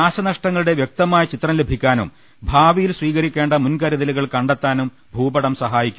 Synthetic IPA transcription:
aːsɐnɐʂʈɐŋːɐɭuɽe̞ʋjek̚t̪ɐmaːjɐt͡ɕit̪rɐmle̞bʱikʲːaːnṵm | bʱaːʋijilsʋiːɣɐɾikʲːe̞ːɳɖɐmunkɐɾɐðɐliɣɐɭkɐɳɖet̪ːaːnum | bʱuːbɐɽɐmsɐɦaːjikʲːu

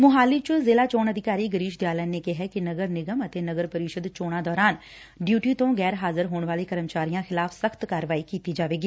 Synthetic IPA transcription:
mʊɦaːlit͡ʃʊlzeːlaːt͡ʃoːnəd̪ʱɪkaːɾiɡəɾiːʃd̪jaːlənekeɦɛkinəɡəɾnɪɡəmət̪enɐɡəɾpəɾiːʃəd̪t͡ʃoːɽ̃ãd̪ɔːɾaːn | ɖjuːʈit̪õɡɛːɾɦaːzɪɾɦoːɳʋaːlekəɾəmt͡ʃaːɾijãxɪlaːfʰsəxt̪kaːɾəʋaːikiːt̪id͡ʒaːʋeːɡiː

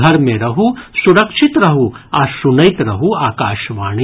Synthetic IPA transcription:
ɐɾmẽɾɐɦusuɾɐkʃit̪ɾɐɦuasunɐjt̪ɾɐɦuaːkaːʃʋaːɳ̃i

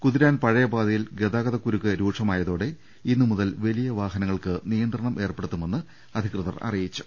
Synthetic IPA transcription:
kuðiɾaːnpɐɻɐjɐbaːðɐjilɡed̪aːɡɐðɐkːuɾukːɨɾuːʂɐmaːjɐðoːɽe̞ | inːɨmuðɐlʋelijɐʋaːɦɐnɐŋːɐɭkɨnijɐnd̪rɐɳɐmʔe̞ːrpe̞ɽut̪ːume̞nːɨ | ɐd̪ʱikrɨðɐrɐ̰rijit͡ɕːu̥

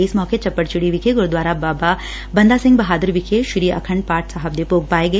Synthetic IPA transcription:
eːsmɔːket͡ʃɐpːəʈt͡ʃuɽiʋikʰeɡuɾd̪ʋaːɾabaːba | bɐnd̪aːsɪ̃ŋɡbɐɦaːd̪ɐɾʋikʰeʃuɾiɐ̰kʰɐɳɖ̚paːʈsɐɦɐb̚d̪epoːɡ̚paːeɡɐe

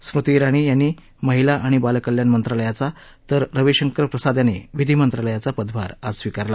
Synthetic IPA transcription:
sɾut̪iɾaɽ̃iːjanːiː | məɦilaʔaɽ̃ibalkəljanmənt̪ɾaləjat͡sa | t̪əɾːəʋeɕəŋkɾəpɾəsad̪janeʋid̪ʱiːmənt̪ɾaləjat͡sapəd̪baɾad͡zsʋikaɾla

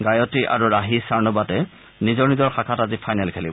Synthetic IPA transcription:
ɡajɔtiʔa̰ɹuɹaɦisaɹnɔbatɛ | nizɔɹnizɔɹxakʰatazipʰajnɛlkʰelibɔ

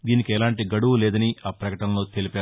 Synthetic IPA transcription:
d̪iːnikɛlaːɳʈiɡɐɽuʋulɛːd̪ɐniʔaːpɾɐkɐʈɐmlo̞ːt̪elipaː

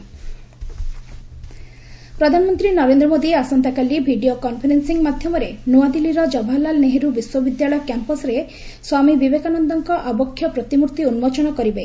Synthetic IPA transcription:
pɾɔd̪ʱanɔmɔnt̪ɾinɔɾend̪ɾɔmod̪iasɔnt̪akalibʱiɖiokɔnpʰeɾensiŋmad̪ʱjɔmɔɾenuad̪iliɾɔd͡ʒɔbʱalalneɦeɾubiswɔbid̪jaɭɔjɔkjampɔsɾe | swamibibekanɔnd̪ɔŋkɔʔabɔkʰːjɔpɾɔt̪imuɾt̪iunumot͡ʃɔɽ̃ɔkɔɾibe

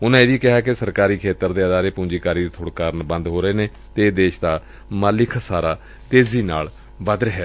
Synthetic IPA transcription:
ʊnãːeːʋiːkɪɦaːkɪsəɾkaːɾiːkʰeːt̪əɾd̪eːəd̪aːɾeːpũːd͡ʒiːkaːɾiːd̪iːt̪ʰʊɽkaːɾənbə̃nd̪ɦoːɾəeːneː | t̪eːd̪eːʃd̪aː | maːlɪkʰsaːɾaː | t̪eːziːnaːl | bəd̪ɾəɦɛː

